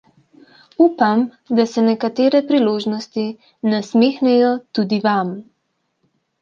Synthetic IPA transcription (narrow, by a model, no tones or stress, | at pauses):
uːpam | d̪asɛnɛkat̪eːɾɛpɾiloːʒnɔst̪i | nasmeːxnɛjɔt̪ud̪iʋam